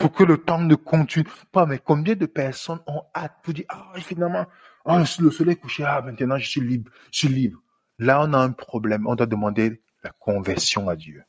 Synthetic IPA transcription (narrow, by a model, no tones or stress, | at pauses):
puʁkələt̪ɑ̃nəkɔ̃t̪ynpamɛkɔ̃bjɛ̃d̪əpɛʁsɔnɔ̃at̪̚pud̪iaefinalmɑ̃ | sləsɔlɛjkuʃeamɛ̃t̪ənɑ̃ʒəswilibʁʒəswilibʁ | laɔ̃naɛ̃pχɔblɛmɔ̃d̪wad̪əmɑ̃d̪e | lakɔ̃vɛʁsjɔ̃ad̪jø